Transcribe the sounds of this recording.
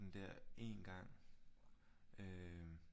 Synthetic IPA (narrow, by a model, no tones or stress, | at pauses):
n̩d̥æɐ̰e̝nɡ̥ɑ̈ŋ̰ | ø